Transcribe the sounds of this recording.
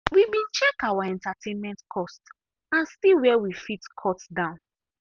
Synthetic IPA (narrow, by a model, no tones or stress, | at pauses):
wibĩnt͡ʃɛkawaɛ̃ntatʰẽnmɛ̃ntkʰɔst | ãnsiwɛwifitkʰɔtsdãʊ̃n